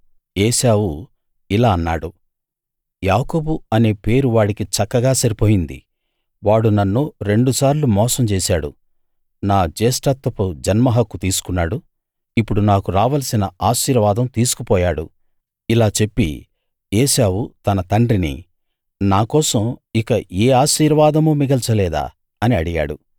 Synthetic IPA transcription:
ɛːʃaːwu | ilaːɐnːaːɽu | jaːko̞ːbuɐne̞ːpe̞ːɾuʋaːɽikit͡ʃɐkːɐɡaːsɐɾipoːjind̪ḭ | ʋaːɽunɐnːuɾe̞ɳɖusaːɾlumɔːsɐmt͡ʃɛːsaːɽṵ | naːd͡ʒeːsʈat̪ːɐpud͡ʒɐnmɐɦɐkːut̪iːsu̥kunːaːɽu | ipːuɽunaːkuɾaːʋɐlsinɐaːʃiːɾʋaːd̪ɐmt̪iːsu̥kupɔːjaːɽṵ | ilaːt͡ʃe̞pːḭ | ɛːʃaːwut̪ɐnɐt̪ɐɳɖɾinḭ | naːkɔːsɐmikɐʔeːaːʃiːɾʋaːd̪ɐmuːmiɡɐlt͡ʃɐlɛːd̪a̰ː | ɐniɐɽiɡa̰ːɽu

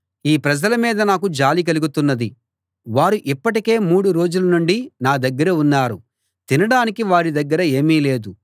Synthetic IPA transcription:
iːpɾɐd͡ʒɐlɐmiːd̪ɐnaːkud͡ʒaːlik̬ɐluɡut̪unːɐd̪i | ʋaːɾuʔipːɐʈike̞ːmuːɽuɾo̞ːd͡ʒulɐnuɳɖinaːd̪ɐɡːɐɾɐunːaːɾu | t̪inɐɽaːnikiʋaːɾid̪ɐɡːɐɾɐe̞ːmiːle̞ːd̪u

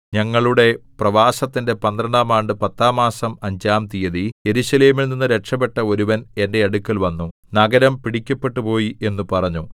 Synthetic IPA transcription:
ɲɐŋːɐɭuɽe̞prɐʋaːsɐt̪ːinde̞pɐnd̪rɐɳɖaːmaːɳɖɨpɐt̪ːaːmaːsɐmɐɲd͡ʑaːmt̪ijɐðije̞ɾuɕɐle̞ːmilninːɨɾe̞ʈʂɐpe̞ʈːɐo̞ɾuʋɐne̞nde̞ɐɽukːɐlʋɐnːu | nɐɡɐɾɐmpiɽikʲːɐpːe̞ʈːupo̞ːjiʔe̞nːupɐrɐɲːu

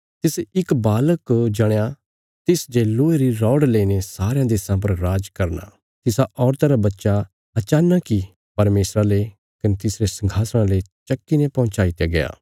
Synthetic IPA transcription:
t̪ɪsɪkbaːləkd͡ʒɐɽ̃ja | t̪ɪsd͡ʒeːloːeɾiɾɔːɽleːinesaːɾejãd̪eːsãp̬ɐɾɾaːd͡ʒkɐɾna̰ | t̪ɪsaʔɔːɾt̪aɾabɐtːʃa | ɐt͡ʃaːnaki | pɐɾmeːsɾale | kɐnet̪ɪsɾesɐ̃ŋɡʱaːsɽ̃ãlet͡ʃɐkːinepɐ̃ʊ̃t͡ʃaːit̪jaɡɐja̰ː

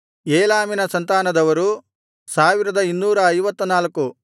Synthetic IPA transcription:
eːlaːminɐsɐnt̪aːnɐd̪ɐʋɐɾu | saːʋiɾɐd̪ɐinːuːɾɐːjʋɐt̪ːɐnaːlɐkːu

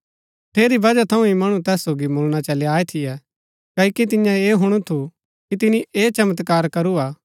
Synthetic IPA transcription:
t̪ʰeːɾibɐd͡ʒat̪ʰɐũimɐɽ̃ũt̪ɛːsːoːɡimoːlɽ̃at͡ʃɐleaːet̪ʰɪjɛ | kɐːikit̪̬ɪjãeːɦʊɽ̃ut̪ʰu | kit̪ɪniʔeːt͡ʃɐmət̪kaːɾkɐɾuaː

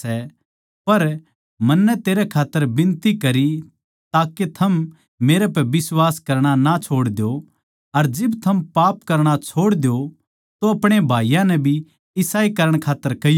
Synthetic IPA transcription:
ɛ | pɐɾ | mɐnːɛt̪eːɾɛkʰaːt̪ːəɾbɪ̃nt̪ikɐɾi | t̪aːket̪ʰɐm | meːɾɛpɛbɪswaːskɐɾɽ̃anat͡ʃʰoːɽd̪jo | ɐɾd͡ʒɪbt̪ʰɐmpaːpkɐɾɽ̃at͡ʃʰoːɽd̪ejo | t̪oɐpɽ̃ebʱaːijãnɛbʱi | ɪsaːikɐɾəɽ̃kʰaːt̪ːəɾkɐj

